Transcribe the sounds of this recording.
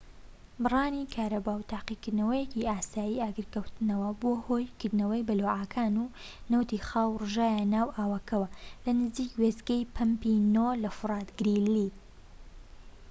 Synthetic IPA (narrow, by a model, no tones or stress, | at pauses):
bɨrˤɑːnikʰaːɾɐbaːwt̪ʰaːqikɨd̪nɐwɐjeciaːsaːjiːaːɡɨɾkɐwt̪ɨnɐwɐboːhoːjkɨɾd̪nɐwɐjbɐloːʕaːkʰaːnu | nɐwt̪ixaːwrɨʒaːjanaːwʔaːwɐkɐwɐlɐnɨziːkwezɡɐjpʰɐmpinolɐfɨɾˤɑːt̪ɡɾilːi